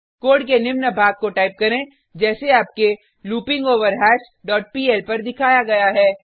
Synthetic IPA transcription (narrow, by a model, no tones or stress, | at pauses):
koːɖkenɪʋnəbʱaːɡ̚koʈaːɪp̚kɐɾẽ | d͡ʒɛːseaːp̚ke | luːpɪ̃ŋɡoːʋəɾɦɛːʃ | ɖɔːʈ̚piːɛːlpɐɾd̪ɪkʰaːjaɡɐjaɦɛː